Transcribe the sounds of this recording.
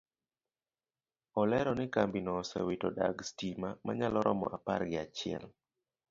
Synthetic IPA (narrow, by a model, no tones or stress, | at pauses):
ɔlɛɾɔnɪkambinɔsɛ̰witɔda̰ɡstimamaɲalɔɾʔɔmɔ̰ʔapa̰ɾɡɪat͡ʃɪɛ̰l